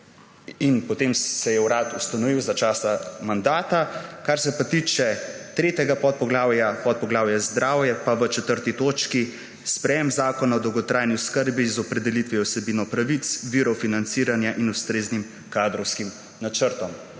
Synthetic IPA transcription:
inpɔt̪eːmsɛjɛwɾat̪ust̪anɔʋiwzat͡ʃaːsamand̪aːt̪akaɾsɛpat̪iːt͡ʃɛt̪ɾeːt̪ɛɡapɔt̪̚pɔɡlaːwjapɔt̪̚pɔɡlaːwjazd̪ɾaːwjɛpaʋət͡ʃɛt̪əɾt̪it̪oːt͡ʃki | spɾɛjɛmzaːkɔnaɔd̪ɔwɡɔt̪ɾaːjniʊskəɾbizɔpɾɛd̪ɛlit̪ʋiɔwsɛbiːnɔpɾaʋit̪sʋiɾɔfinant̪siːɾanjaʔinust̪ɾeːznim | kad̪ɾɔwskim | nat͡ʃəɾt̪ɔm

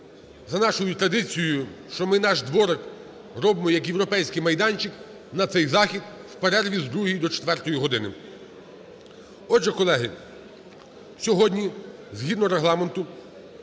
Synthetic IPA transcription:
zɐnɑʃɔjʊt̪ɾɐd̪ɪt͡sʲijʊʃt͡ʃɔmɪnɑʃd̪ʋɔɾek | ɾɔbɪmɔjɐkjewɾɔpɛjsʲkɪjmɐjd̪ɑnʲt͡ʃɪk | nɐt̪sɛjzɑxʲid̪wpeɾɛrʋʲizd̪ɾuɦijd̪ɔt͡ʃɛ̥t̪ʋɛrt̪ɔjiɦɔd̪ɪnɪ | ɔd͡ʒɛkɔlˠɛɦɪ | sʲɔɦɔdʲnʲizɦʲid̪nɔɾeɦlˠɑment̪ʊ

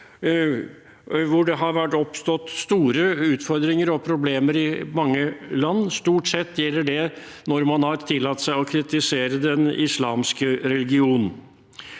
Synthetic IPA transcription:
ʋʊɖɛɦɑɾʋæʈːɔpst̪ɔt̪ːst̪uːɾəʉːt̪fɔɾd̪ɾɪŋəɾɔpʰɾʊbleːməɾɪmɑŋːəlɑnːst̪uːʈsɛt̪ːjɛlːəɖɛ | nɔɾmɑnhɑɾt̪ʰɪlːɑt̪ːsæɪɔkʰɾɪt̪ɪseːɾəd̪ɛnɪslɑːmskəɾɛlɪɡɪuːnn̩

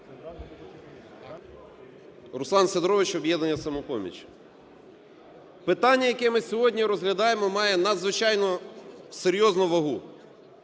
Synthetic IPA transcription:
rʊslˠɑnsʲɐd̪ɾɔʋɪt͡ʃɔbjɛd̪nɐnʲːɐsɐmɔpɔmʲḭt͡ʃʲ | pɪt̪ɑnʲːɐjɐkɛmɪsʲɔɦɔdʲnʲiɾɔzɦlʲɐd̪ɑjemɔmɑjɛnɐd̪zʋɪt͡ʃɑjnɔseɾʲjɔznʊʋɐɦu

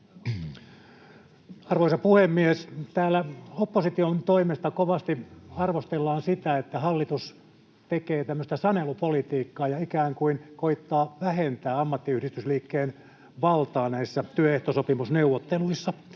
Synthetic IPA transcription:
ɑrʋoisɑpuhemːiest̪æːlæopːosit̪iont̪oimest̪ɑkoʋɑst̪iɑrʋost̪elːɑːnsit̪æet̪ːæhɑlːit̪us | t̪ekeːt̪æmːøst̪æsɑnelupolit̪iːkːɑːjɑikæːŋkuinkoit̪ːɑːʋæhent̪æːɑmːɑt̪ːiyhɾist̪ysliːkːeːn | ʋɑlt̪ɑːnæisːæt̪yøeht̪osopimusneuʋːot̪ːeluisːɑ

